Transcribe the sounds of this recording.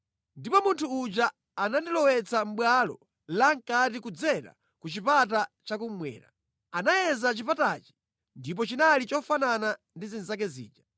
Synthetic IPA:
ndipɔmuntʰuːt͡ʃaː | nandilɔwɛt͡sam̩ɓwalɔ̰ | laŋkatikud͡zɛɾa̰ | kut͡ʃipat̬at͡ʃakum̩mwɛ̰ːɾa̰ | anajɛzat͡ʃipatat͡ʃi̥ | ndip̬ɔt͡ʃinalit͡ʃɔfanana | ndizinzak̬ɛzḭːd͡ʒa

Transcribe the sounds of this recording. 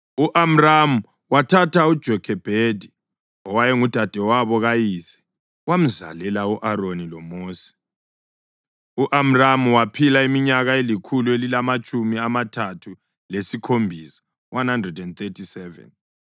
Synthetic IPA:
uʔam̩ramu | watʰatʰaud̥ʒ̥ʱɔkʰɛb̥ʱedʱi | ɔwajɛŋud̥ʱad̥ʱɛwaβɔɣajisɛ̥ | wam̩za̰lɛlauʔaɾonilɔmoːsi̥ | uʔam̩ramuwapʰilaimiɲaɣaelikʰuluelilamat͡ʃʼumiamatʰatʰu | lesikʰombʱisḁ | wʔanhandrɛdɛnt̪etʰisɛvɛ̰n

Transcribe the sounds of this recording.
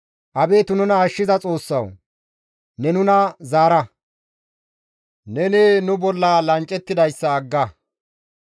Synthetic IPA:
ʔɐbe̞ːt̪ʊnʊnɐːʃːɪzɐt͡sʼo̞ːsːɐ̰w | nɛnʊnɐzaːɾɐ | nɛneːnʊbɔlːalɐnt͡ʃʼɛt̪ːɪd̪ɐjsːɐːɡːɐ

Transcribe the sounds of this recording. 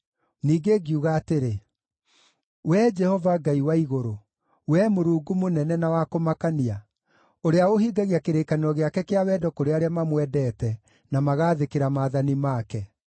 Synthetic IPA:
niːɡeɡiuɣaːteɾe | wɛd͡ʒɛhɔvaɡaiwaiɣoɾo | wɛmoɾuːɡumonɛnɛnawakomakania | oɾeaohiːɡaɣiakeɾeːkanɔɣeakɛkeawɛːdɔkoɾeaɾeamamwɛdɛːtɛ | namaɣaːðekeɾamaːðanimaːkɛ

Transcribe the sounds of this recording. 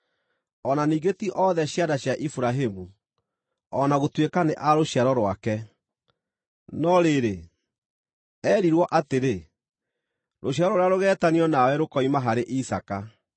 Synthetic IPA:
ɔnaniːɣɡetiʔɔðɛɕjadaɕjaʔifuɾaɦemu | ɔnaɣotwekaneʔaɾoɕiaɾɔɾwakɛ | nɔɾeɾe | ɛːɾiɾwɔʔateɾe | ɾoɕ̬jaɾɔɾeaɾoɣɛːtaniɔnawɛɾokɔimaɦaɾeʔisaka

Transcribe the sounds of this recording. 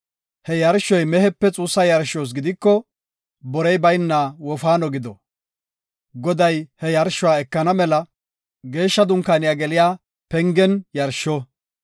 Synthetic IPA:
hɛjɐɾʃːɔjmɛhɛpːɛt͡sʼuːsːɐjɐɾʃoːs̬ɡɪd̪ɪkːɔ | bɔɾɛjbɐjnːawɔfaːnɔɡɪd̪ɔ | ɡɔd̪ɐjhɛjɐɾʃːʊwaːɛkːɐnɐmɛlɐ | ɡe̞ːʃːɐd̪ʊŋkaːnɪjaːɡɛlɪjaː | pɛŋɡɛnjɐɾʃɔ

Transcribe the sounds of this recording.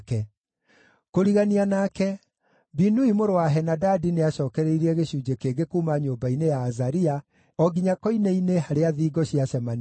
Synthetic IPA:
kɛ | koɾiɣanianaːkɛ | binuimoɾowaɦɛnadadineaɕɔːkɛɾɛiɾiɛɣeɕuːd͡ʑekeɡekumaɲoːbainejaːzaɾia | ɔɡiɲakɔineineɦaɾeaðiːɡɔɕiaɕɛman

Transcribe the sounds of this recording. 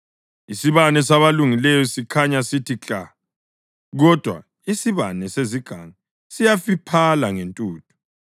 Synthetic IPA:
isiβanɛsaβaluŋilɛjɔsikʰaɲasitit͡ɬʼa | ɣɔd̥ʱwa̰ | isiβa̰nɛseziɡ̥ʱaŋa | sijafipʰalaŋentʼuːtʰʼu̥

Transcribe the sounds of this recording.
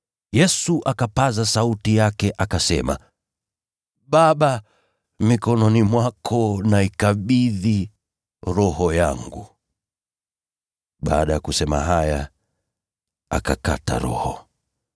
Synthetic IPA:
jɛsuʔakapazasautijakɛʔakasɛma̰ | ɓaɓa | mikɔnɔnimwakʰɔnaikaɓiði | ɾɔhɔjaŋɡu | ɓa̰ːɗajakusɛma̰ɦaja | a̰kaka̰ta̰ɾɔ̰hɔ

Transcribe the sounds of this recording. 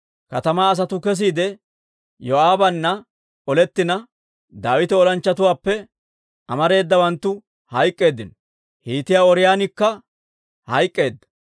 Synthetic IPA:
kɐt̪ɐmaːs̬ɐt̪ʊkɛs̬iːd̪ɛ | jɔaːbɐnːɐ | ɔlɛt̪ːɪnɐ | d̪aːwɪt̪ɛɔlɐnt͡ʃːɐt̪ʊwaːpːɛ | ʔɐmɐɾe̞ːd̪ːɐwɐnt̪ːʊ | hɐjkʼːe̞ːd̪ːɪnɔ | hiːt̪ɪjaːɔɾɪjaːnɪkːɐ | hɐjkʼːe̞ːd̪ːɐ̥

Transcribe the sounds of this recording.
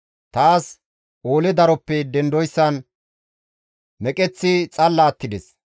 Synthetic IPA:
t̪aːs | ʔoːlɛd̪ɐɾɔpːɛd̪ɛnd̪ɔjsːɐn | mɛkʼɛt͡sːɪt͡sʼɐlːaːt̪ːɪd̪ɛs

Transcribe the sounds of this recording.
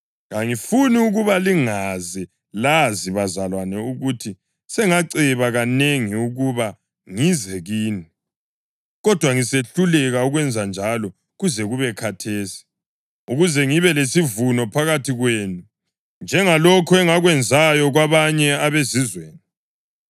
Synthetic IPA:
ɣaŋifuniuɣuβaliŋazɛ | laziβazalwanɛuɣutʰi | sɛŋaǀiβaɣaneŋiuɣuβa | ŋizɛɣiːni | ɣɔd̥ʱwaŋiseɬulɛɣauɣwɛnd͡zʱand͡ʒʱalɔ | ɣuzɛɣuβɛkʰatʰeːsi̥ | uɣuzɛŋiβɛlesivunɔpʰaɣatʰiɣweːnu | nd͡ʒʱɛŋalɔkʰɔɛŋaɣwɛnd͡zʱajɔɣwaβaɲɛaβezizweːni

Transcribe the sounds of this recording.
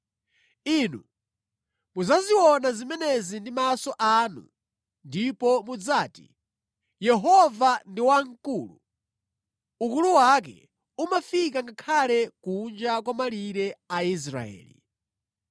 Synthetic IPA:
inṵ | muzaziwɔnazimɛnɛzindimasɔʔanu | ndipɔmud͡zaːti̥̰ | jɛɦɔvandiwaŋkuːlu | ukuluwak̬ɛ̰ | umafikaŋɡakʰalɛkund͡ʒak̬wamaliɾɛais̬ɾa̰ɛ̰ːlḭ

